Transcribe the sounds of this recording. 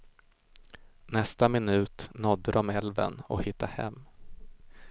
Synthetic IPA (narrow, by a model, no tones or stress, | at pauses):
nɛst̪amɪnʉ̟ːt̪nɔd̪ːəd̪ɔmɛlvə̰nɔ̰hɪt̪ʰːahɛ̰mː